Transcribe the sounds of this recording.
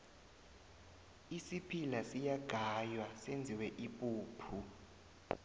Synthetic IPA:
isipʰilasijaɡ̥ʱajwasend͡zʱiwɛʔipʼuːpʰu

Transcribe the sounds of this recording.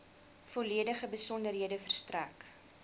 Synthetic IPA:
fɔliədəχəbəsɔndərɦiədəfərstræk

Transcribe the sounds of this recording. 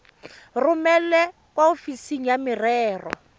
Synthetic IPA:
rumɛlɛ | kwaofisiŋ̩jamɪrɛːrɔ̰

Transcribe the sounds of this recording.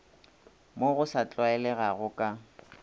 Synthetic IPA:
moɣʊsat͡ɬʼwaɛlɛɣaɣʊkʼa

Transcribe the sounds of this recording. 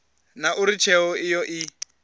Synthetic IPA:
naʔuɾit͡ʃʰɛɔijɔʔi

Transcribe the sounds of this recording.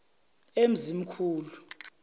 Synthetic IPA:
em̩zim̩kʰuːlu

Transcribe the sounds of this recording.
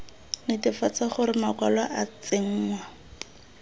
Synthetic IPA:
nɪtɪfat͡saχʊɾɪmakwalwaʔat͡sɪŋ̩ːŋwa

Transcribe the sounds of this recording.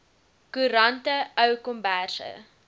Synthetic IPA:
kuɾɐntəəwkɔmbærsə̰

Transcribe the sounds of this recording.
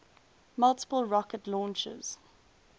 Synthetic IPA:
mʌlˠtə̥pəlˠɹɔkətlɔ̃nt͡ʃə̰z̥

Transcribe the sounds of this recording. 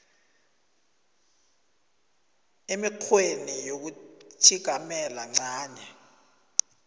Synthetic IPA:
emikʰwenijok̬utʰiɡ̥ʱamɛlaŋ͡ǀaːɲɛ

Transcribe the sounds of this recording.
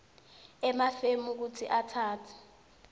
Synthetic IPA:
ɛmafemuk̬utʰḭʔatʰaːtʰḁ

